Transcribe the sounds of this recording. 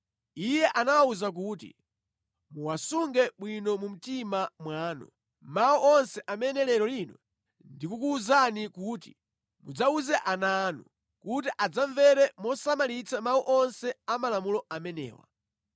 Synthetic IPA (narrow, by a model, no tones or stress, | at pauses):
ijɛʔanawauzak̬uːtḭ | muwasuŋɡɛɓwinɔmum̩timamwaːnɔ̰ | mauʔɔnsɛʔamɛnɛlɛɾɔlinɔ | ndikukuːzanikuːti̥ | mud͡zauzɛʔananu | kut̬iʔad͡zaɱvɛɾɛmɔsamalit͡sʰamauʔɔnsɛamalamulɔʔamɛnɛ̰ːwa̰